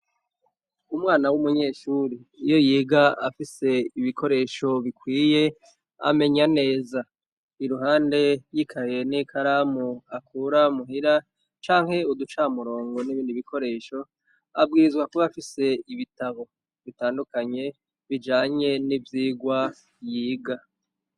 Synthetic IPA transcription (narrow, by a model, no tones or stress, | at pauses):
umŋaːnawumuɲe̞ːʃuːɾiːjo̞jiːɡaafise̞iβikʰo̞ɾe̞ːʃo̞βikwiːje̞ | a̰me̞ɲane̞ːza | iɾuɦaːnde̞jikʰaje̞nikʰaɾamuakʰuːɾamuɦiɾa | t͡ʃaːŋhe̞ud̪ut͡ʃamuɾo̞ːŋɡo̞niβiːndiβikʰo̞ɾe̞ːʃo̞ | a̰b̚ɡiːɾizɡwakuβaːfise̞iβitaβo̞ | βitaːndukaɲe̞ | βid͡ʒaːɲe̞nivjiːɡwa | jiːɡa